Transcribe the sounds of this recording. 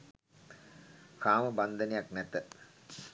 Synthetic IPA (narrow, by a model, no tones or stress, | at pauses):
kaːməband̪ənejaknɛt̪ə